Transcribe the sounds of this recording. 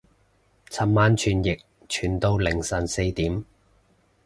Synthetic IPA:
t͡sʰɐ˨˩p̚maː˨˧nt͡ʃʰyː˨˩njɪ˨k̚ | t͡ʃʰyː˨˩nt̪o˧wlɪ˨˩ŋsɐ˨˩nse˧jt̪iː˨˥m

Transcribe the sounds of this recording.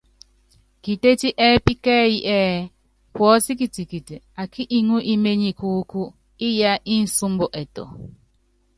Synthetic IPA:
ki˨te˦ti˦ʔe˦pi˦ke˦ji˦ʔɛ˦ | pɔ˦si˦ki˨ti˨ki˨ti˨ | a˨kʰi˦ʔi˦ŋu˦ʔi˦me˦ɲi˨ku˦ku˦ | i˦ja˦ʔi˦n̩˦su˦m̩˦bo˨ʔɛ˨tɔ̰˨

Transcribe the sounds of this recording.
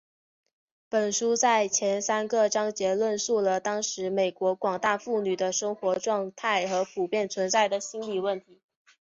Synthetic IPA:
pə˨˩nʂu˥t͡sa˥˩ɪt͡ɕʰjɛ˧˥nsa˥nɡə˥˧ʈ͡ʂɑ˥ŋt͡ɕjɛ˧˥lwə˥˧nsu˥˩lə˩t̪ɑ˥ŋʂɻ̩˧˥me˨˩ɪkwɔ˧˥kwɑ˨˩ŋt̪a˥˧fu˥˩ny˨˩d̪ə˦ʂɤ˥ŋxwɔ˧˥ʈ͡ʂwɑ˥˧ŋt̪ʰa˥˩ɪxɤ˧˥pʰu˨˩pjɛ˥˩nt͡sʰwə˧˥nt͡sa˥˩ɪd̪ə˩ɕi˥nli˨˩wə˥˩nt̪ʰi˧˥

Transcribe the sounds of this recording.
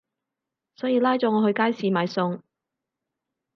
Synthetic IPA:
sɔː˨˥jiː˨˧laː˥jt͡sɔː˨˥ŋɔː˨˧hɵ˧ɥkaː˥jsiː˨˧maː˨˧jsʊ˧ŋ

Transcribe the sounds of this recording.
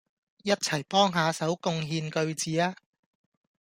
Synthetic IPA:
jɐ˥t̚t͡sʰɐ˨˩jpɔː˥ŋɦaː˨˧sɐ˨˥wkʊ˧ŋɦiː˧nkɵ˧ɥt͡siː˨aː˥

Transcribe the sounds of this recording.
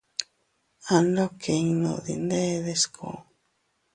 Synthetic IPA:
a˨˧nlo˦kʰe˨iŋno˨d̪ḭ˨nd̪e˦ðe˧skʰo̰˨

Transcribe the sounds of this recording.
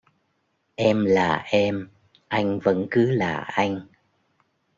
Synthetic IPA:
ʔɛ˧mlaː˨˩ʔɛ˧m | ʔa˧jŋ̟və̰˧˥nkɨ˨˦laː˨˩ʔa˧jŋ̟

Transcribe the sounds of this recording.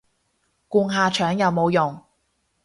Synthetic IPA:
kuː˧ŋɦaː˨˧t͡ʃʰœː˨˥ŋjɐ˨˧wmo˨˧wjʊ˨˩ŋ

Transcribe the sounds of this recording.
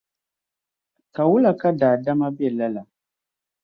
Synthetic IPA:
ka˨wu˦la˨ka˦daː˨da˦ma˦bɛ˨la˦la˨

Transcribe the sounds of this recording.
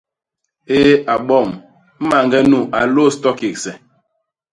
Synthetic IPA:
eː˦a˨ɓɔ˦˨m | m̩˦ma˨ŋɡɛ˦nu˦˨ʔa˨lo˦stɔ˦ki˨k̚sɛ˨

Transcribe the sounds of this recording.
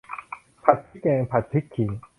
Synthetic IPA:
pʰa˨˩t̪ʰi˦kɛ̃ː˧pʰa˨˩t̪ʰːi˦kʰːi˨

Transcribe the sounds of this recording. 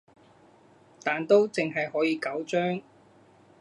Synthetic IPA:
t̪aː˨nt̪o˥wt͡sɪ˨ŋɦɐ˨jɦɔː˨˥jiː˨˧kɐ˨˥wt͡ʃœː˥ŋ

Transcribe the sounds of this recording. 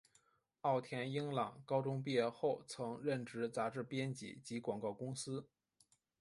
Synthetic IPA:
ɑ˥˩ʊt̪ʰjɛ˧˥ni˥ŋlɑ˨˩ŋkɑ˥ʊʈ͡ʂʊ˥ŋp̬i˥˧ɛ˧xo˥˩ʊt͡sʰɤ˧˥ŋɻə˥˩nʈ͡ʂɻ̩˧˥t͡sa˧˥ʈ͡ʂɻ̩˥˩pjɛ˥nt͡ɕḭ˧˥t͡ɕi˧˥kwɑ˨˩ŋkɑ˥˩ʊkʊ˥ŋsɹ̩˥

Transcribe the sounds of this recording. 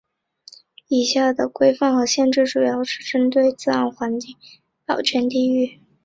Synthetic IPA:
i˨˩ɕja˥˩d̪ə˩kwe˥ɪfa˥˩ŋxɤ˧˥ɕjɛ˥˧nʈ͡ʂɻ̩˥˩ʈ͡ʂu˨˩jɑ˥˩ʊʂɻ̩˥˩ʈ͡ʂə˥nt̪we˥˧ɪt͡sɹ̩˥˧a̰˥˩nxwa˧˥nt͡ɕi˥˩ŋ | p̪ɑ˨˩ʊt͡ɕʰɥɛ˧˥nt̪i˥˧y˥˩

